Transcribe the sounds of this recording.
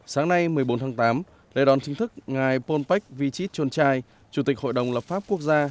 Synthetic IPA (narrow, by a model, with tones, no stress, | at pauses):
saː˨˦ŋna˧jmɨ˨˩əjɓo˨˦nt̪ʰaː˨˦ŋt̪aː˨˦m | lḛ˧˥ɗɔ˨˦nt͡ɕï˨˦ŋ̟t̪ʰɨ˦˥k̚ŋaː˨˩jpo˧npa˦˥jk̟̚vi˧t͡ɕi˦˥t̚t͡ɕo˧nt͡ɕaː˧j | t͡ɕu˨˧˩t̪ï˨˩k̚ho̰˧˨jɗə˨˩wŋ͡mləː˨˩p̚faː˦˥p̚ku˦˥ək̚zaː˧